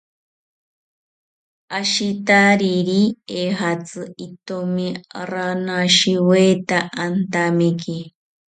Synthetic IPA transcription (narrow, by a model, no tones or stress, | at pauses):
aʃit̪aɾiɾieɦat͡sɨit̪omiɾanaʃiwet̪aʔant̪amiki